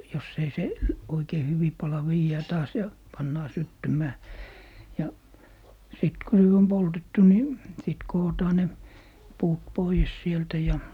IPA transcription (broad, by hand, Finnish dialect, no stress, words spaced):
jos ei sel̆ oikei hyʋi pɑlɑ ʋiːjæː tɑːs jɑ pɑnːɑː sytːymæː jɑ sit ko nyt om poltetːu ni sit koːtɑː ne puːt poies sieltæ jɑ